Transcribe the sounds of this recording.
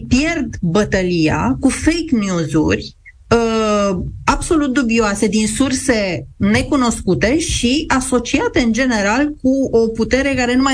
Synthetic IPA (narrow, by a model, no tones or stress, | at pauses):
pje̞rd̪bət̪əlia̰kufejknjuzṵrʲ | ə | abso̞lut̪̚d̪ubioase̞d̪insurse̞ne̞kuno̞skut̪e̞ʃiaso̞t͡ʃiat̪e̞ɨnd͡ʒe̞ne̞ɾalkuoput̪e̞ɾe̞kaɾe̞numa